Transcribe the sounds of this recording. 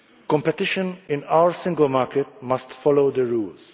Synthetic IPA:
kɔ̃mpɛt̪ɪʃə̃nɪ̃nawəɹsɪ̃ŋɡəlmaːɾkɛt̪mɐst̪fɔloʊd̪əɹuːls

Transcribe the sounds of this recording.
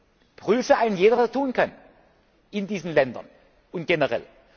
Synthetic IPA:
pʁ̥yːfəaɪnənjeːdɐvasɐtʰuːnkʰan | ʔɪndiːzn̩lɛndɐ̰n | ʊnt̚ɡ̥ɛnəʁɛ̰l

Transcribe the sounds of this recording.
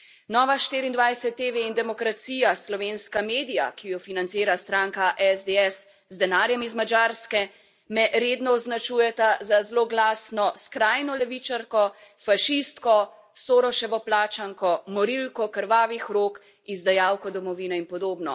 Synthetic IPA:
nɔːʋaʃt̪iːɾind̪ʋajsɛt̪ːeʋeind̪ɛmɔkɾat̪sijaslɔʋeːnskameːd̪ija̰kijɔfinant̪siːɾast̪ɾaːŋkaʔɛzd̪eɛs | zd̪ɛnaːɾjɛmizmad͡ʒaːɾskɛ | mɛʔɾeːd̪nɔɔznat͡ʃuːjɛt̪azazloɡlaːsnɔskɾajnɔlɛʋit͡ʃaɾkɔ | faʃist̪kɔ | soːɾɔʃɛʋɔplaːt͡ʃaŋkɔmɔɾilkɔkəɾʋaːʋixɾoːk | izd̪ajaːwkɔd̪ɔmɔʋiːnɛinpɔd̪oːbnɔ̰

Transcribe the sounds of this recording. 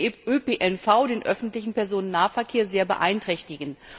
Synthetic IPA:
øpeːʔɛnfaʊdeːnʔœ̰fn̩tlɪçn̩pɛɐzoːnənːaːɐfɛɐkʰeːɐzeːɐbə̰ʔa̰ɪntʁ̥ɛçtɪɡn̩

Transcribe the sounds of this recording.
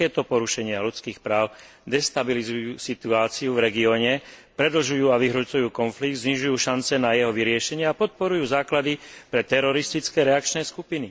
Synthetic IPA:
ɛːt̪ɔpɔɾuʃɛɲɪalut͡skiːxpɾaːʊ | d̪ɛst̪abilizujuːsit̪uaːt͡siuvɾɛɡiɔːɲɛpɾɛd̪l̩ʒujuːaʋiɦɾɔt͡sujuːkɔnfliɡ̚d̪zɲiʒujuːʃant͡sɛnajɛɦɔʋiɾɪɛʃɛɲɪɛapɔt̪̚pɔɾujuːzaːklad̪ipɾɛt̪ɛɾɔɾist̪it͡skɛːɾɛak̚t͡ʃnɛːskupini

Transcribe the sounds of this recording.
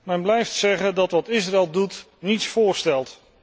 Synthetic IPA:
mɛnblɛjftsɛχəndɑtʋɑtɪsraɛlˠdut | nitsfʊːɹstɛlˠt

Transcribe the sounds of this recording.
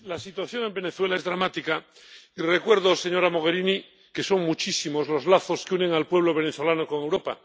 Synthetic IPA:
lasit̪waθjo̞ŋe̞mbe̞ne̞θwe̞lae̞zðɾamat̪ika | ire̞kwe̞ɾðose̞ɲo̞ɾamo̞ɣ̞e̞ɾini | ke̞so̞ŋmut͡ʃisimo̞zlo̞zlaθo̞skeune̞ŋalpwe̞β̞lo̞β̞e̞neθo̞lanoko̞ŋe̞wɾo̞pa̰

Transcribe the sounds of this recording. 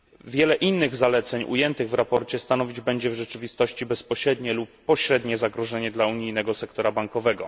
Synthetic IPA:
vʲjɛlɛʔinːɘɣzalɛt̪sɛɲʔṵjɛnt̪ɘɣvɾapɔɾt͡ɕɛst̪anɔvʲid͡ʑbɛɲd͡ʑɛvʐɛt͡ʂɘvʲist̪ɔɕt͡ɕibɛspɔɕɾɛd̪ɲɛlupːɔɕɾɛd̪ɲɛzaɡɾɔʐɛɲɛd̪lauɲijnɛɡɔsɛkt̪ɔɾabaŋkɔvɛɡɔ̰

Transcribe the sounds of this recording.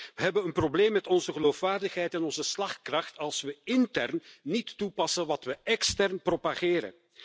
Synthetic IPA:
ʋəɦɛbənənprobleːmːɛtɔnzəɣəloːfʋaːrdəxɦɛjtɛnɔnzəslɑxt̚krɑxtɑlˠsʋəɪntɛrnːitːupɑsənʋɑtʋəɛkstɛrnpropaɣɪːɾə̰n

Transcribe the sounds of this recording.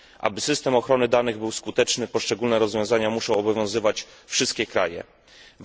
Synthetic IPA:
ʔa̰bɘsɘst̪ɛmɔxɾɔnɘd̪anɘɣbɘwskut̪ɛt͡ʂnɘpɔʂt͡ʂɛɡulnɛɾɔzvʲjɔ̃w̃zaɲamuʂɔ̃w̃ɔbɔvʲjɔ̃w̃zɘvat͡ɕfʂɘst̪kʲɛkɾajɛ̰

